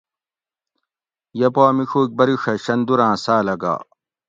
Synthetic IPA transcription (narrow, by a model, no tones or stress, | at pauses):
jɐpaːmixuːk̚bɐɾiʂɐɕɐnd̪uɾãːsaːlɐɡa̰ː